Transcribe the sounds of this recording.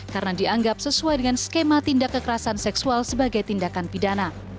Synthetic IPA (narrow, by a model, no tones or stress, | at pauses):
karnadiaŋɡap̚səsuajdəŋanskemat̪indakːəkəɾasansɛksualsəbaɡajt̪indakanpidana